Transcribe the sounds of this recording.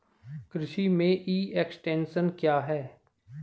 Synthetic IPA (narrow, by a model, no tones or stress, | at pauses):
kɾɪʃimẽʔiːeksʈẽːnʃənkjaːɦɛː